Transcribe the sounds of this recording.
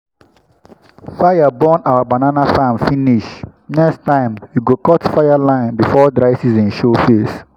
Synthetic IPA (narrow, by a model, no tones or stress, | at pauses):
faɪabɔ̃nawabananafãmfĩniʃ | nɛkstãɪ̃mjuɡokɔtfajalãɪ̃nbifɔdɾaɪsizĩnʃofes